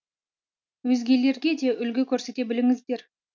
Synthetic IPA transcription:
wɵzɡʲe̞le̞ɾɡʲe̞d̪e̞ʔʏlɡʲɪkʲʰɵɾse̞t̪e̞bɪlɪŋɪzd̪e̞ɾ

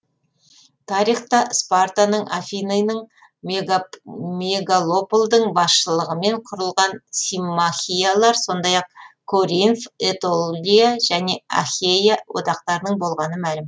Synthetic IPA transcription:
t̪ʰɑɾijχt̪ɑspart̪anəɴʔa̰fʲijnejnəɴ | meɡalˠopolˠd̪əɴbɑsʃəlˠəʁəme̞ɴqʰʊɾəlˠʁɑnsimːaxʲijalˠɑɾso̞nd̪ɑjɑq̚kʰoɾinfet̪olˠijaʒæne̞a̰χʲejawo̰t̪ɑqt̪ɑɾənəɴbo̞lˠʁɑnəmælʲɪm

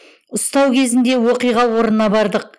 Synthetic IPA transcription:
ʊst̪ɑwkʲʰe̞zɪnd̪e̞woqijʁɑwo̞ɾənɑbɑɾd̪əq̚

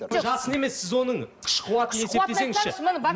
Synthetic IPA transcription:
ʒɑsəne̞me̞sːɪzwo̞nəɴqʰɪ̥ʃqʰuwɑt̪əne̞set̪eeŋɪzʃɪmənb

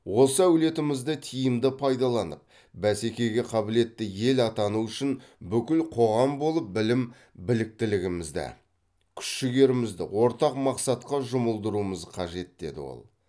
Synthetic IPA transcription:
wo̞səæwle̞t̪ɪmɪzd̪ət̪ʰijɪmd̪ɪpʰɑjd̪ɑlˠɑnəp̚ | bæse̞kʲe̞ɡʲe̞qʰɑbɪle̞t̪ːɪje̞lɑt̪ɑnuʏʃɪnbʏkʲɪlqʰo̞ʁɑmbo̞lˠəp̚bɪlɪm | bɪlɪk̚t̪ɪlɪɡʲɪmɪzd̪ɪ̰ | kʲʰʏ̥ʃʃɪɡʲe̞ɾɪmɪzd̪ɪ̰wo̞ɾt̪ɑqmɑqsɑt̪̚qɑʒʊməlˠd̪əɾuəməzqʰɑʒe̞t̪̚d̪e̞d̪ɪ̰wo̰lˠ

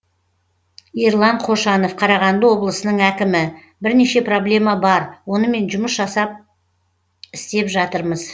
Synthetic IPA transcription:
iɾlˠɑɴqʰo̞ʃɑno̞fqʰɑɾɑʁɑnd̪əwo̞blˠəsənəɴækʲɪmɪ | bɪɾne̞ʃe̞pro̞blʲe̞mɑbɑɾwo̞nəme̞nʒʊməsʒɑsɑp̚ | ɪst̪e̞pʒɑt̪əɾməz

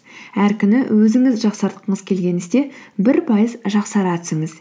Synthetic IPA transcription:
æɾkʲʰʏnɪwɵzɪŋɪzʒɑqsɑɾt̪̚qəɴəzkʲʰe̞lɡʲe̞nɪzd̪e̞bɪɾpʰɑjəzʒɑqsɑɾɑt̪ʰʏ̥sɪŋɪz

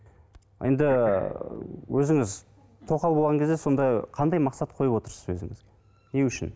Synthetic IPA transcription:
jend̪ɪ | wʔɵzɪŋɪz | t̪ʰo̞qɑlˠbolˠʁɑŋkʰʲe̞zd̪eso̞nd̪ɑqʰɑnd̪ɑjmɑqsɑt̪̚qʰojəpwo̞t̪əɾsəzwɵzɪŋɪzɡe | ne̞ʏʃɪ̰n

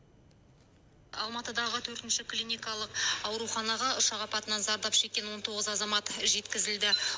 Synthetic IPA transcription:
ɑ̰lˠmɑt̪əd̪ɑʁət̪ʰɵɾt̪ɪnʃɪklʲinijkɑlˠəqɑwɾuχɑnɑʁɑʊʃɑʁɑpɑt̪ənɑnzɑɾd̪ɑpʃe̞kʲːe̞nwo̞nt̪ʰo̞ʁəzɑzɑmɑt̪ʒe̞t̪kʲɪzɪld̪ɪ

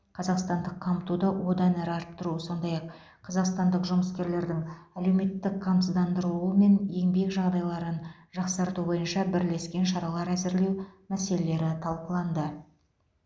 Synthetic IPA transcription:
qʰɑzɑqst̪ɑnd̪əqʰːɑmt̪ud̪əwo̞d̪ɑnæɾɪɑɾəp̚t̪əɾuso̞nd̪ɑjɑqʰː | ɑzɑqst̪ɑnd̪əqʒʊməskʲe̞ɾle̞ɾd̪ɪŋæle̞wme̞t̪ːɪkʰːɑmt̪əzd̪ɑnd̪əɾuuəme̞nje̞ŋbe̞kʒɑʁd̪ɑjlˠɑɾən | ʒɑqsɑɾt̪ubo̞jənʃɑbɪɾle̞skʲe̞nʃɑɾɑlˠɑɾæzɪɾle̞wmæse̞le̞le̞ɾɪt̪ʰɑlˠqəlˠɑnd̪ə

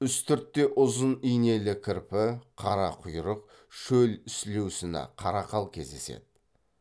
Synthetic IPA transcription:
ʏst̪ʏɾt̪ːe̞ʔʊzənijne̞lɪkʲʰɪɾpɪqʰɑɾɑqʰʊjɾəq̚ | ʃɵlʏslewsɪnɪ̰qʰɑɾɑqʰɑlˠkʲʰe̞̰zd̪e̞se̞̰d̪̥̚ɪ

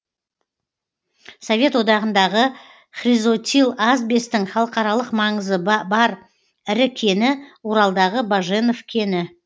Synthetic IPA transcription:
sovʲe̞t̪wo̞d̪ɑʁənd̪ɑʁə | χrʲizo̞t̪ʲilˠɑzbe̞st̪ɪŋχɑlˠəqɑɾɑlˠəqmɑɴəzəbɑɾ | ɪɾɪkʲʰe̞nɪwoɾɑlˠd̪ɑʁəbaʒenovkʲʰe̞nɪ

